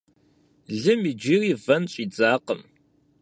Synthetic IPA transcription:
ɮɨmid͡ʒiːriːvɐnɕʼiːd͡zaːqəm

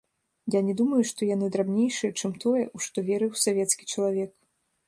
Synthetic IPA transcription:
janʲɛd̪umɐjuʂt̪ɔjanɨd̪ɾabnʲejʂɨjɛt͡ʂɨmt̪ɔjɛ̰ʔuʂt̪ɔvʲɛɾɨwsavʲɛt̪skʲi̥t͡ʂɐlˠavʲɛk

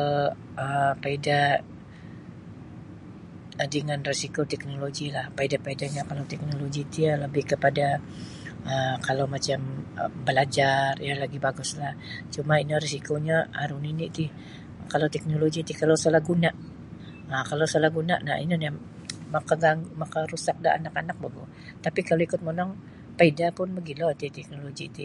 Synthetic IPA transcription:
ə | əpaida | dəŋanrisikot̪ɛk̚noloɡilahpaidapaidaɲakalawt̪ɛk̚noloɡit̪ialəbɪhkəpada | əkalawmat͡ʃambəlad͡ʒarjalaɡibaɡʊslaht͡ʃumainarisikoɲaa̰ɾuniniʔt̪ɪh | kalawt̪ɛk̚noloɡit̪ikalawsalahɡunaʔ | akalawsolahɡuna̰ʔna̰ʔḭnina | makaɡaŋɡumakaɾusak̚da̰a̰nakanak̚baɡṵ | t̪apikalowikʊt̪̚monɔŋ | paidapʊnbəɡilot̪it̪ɛk̚noloɡit̪ɪ̰

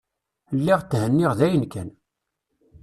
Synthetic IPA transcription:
lːiʁt͡s̪ːhənːiʁðæjənkæn

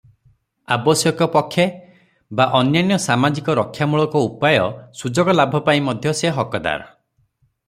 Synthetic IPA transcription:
abɔsjɔkɔpɔkʰːje | baʔɔnjanjɔsamad͡ʒikɔɾɔkʰːjamuɭɔkɔupajɔsud͡ʒɔɡɔlabʱɔpaĩmɔd̪ʱjɔseɦɔkɔd̪a̰ɾɔ

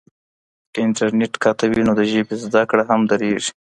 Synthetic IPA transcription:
kɪnʈaɾneʈkʰat̪awinod̪əʒepezd̪akɽaɦamd̪aɾeʐi̥

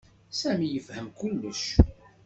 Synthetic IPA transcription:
sæmijəfhəmkʊlːəʃ

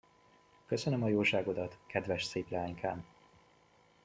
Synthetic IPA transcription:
kø̞sø̞nø̞mɒjoːʃaːɡo̞d̪ɒt̪kɛd̪vɛʃseːplɛaːɲkʰaːn

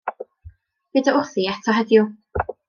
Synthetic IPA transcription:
v̥ɪdaʔʊθiɛtʰɔɦɛdjʊ

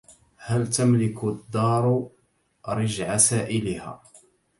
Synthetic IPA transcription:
halt̪amlɪkʊd̪ːɑːɾˤ | ɾɪd͡ʒʕasaːʔɪlɪha̰ː

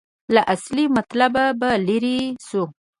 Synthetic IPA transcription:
laʔaslimat̪lababaliɾisu

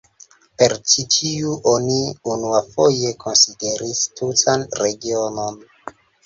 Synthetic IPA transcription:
pe̞ɾt͡ʃitʰiuʔoniunuafo̞je̞kʰo̞nside̞ɾistutanɾe̞ɡio̞no̞n

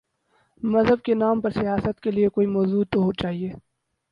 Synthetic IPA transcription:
mɐzɦəb̚kenaːmpɐɾsijaːsət̪keliekoːimɔːzuːd̪oɦot͡ʃaːɦieː

